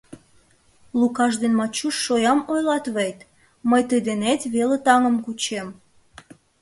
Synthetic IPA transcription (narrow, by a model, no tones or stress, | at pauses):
lukɑʃd̪enmɑt͡ɕuʃːojɑmojlɑt̪βejt̪ | məjt̪əjd̪enet̪βelet̪ɑŋəmkut͡ɕem